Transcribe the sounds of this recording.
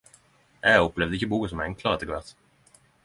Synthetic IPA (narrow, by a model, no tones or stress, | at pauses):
ʔɛɔplɛʋd̪əɪçəbuːkəsɔmɛŋkʰlɑʁəɛt̪ʰːɪɡʋɛʁt̪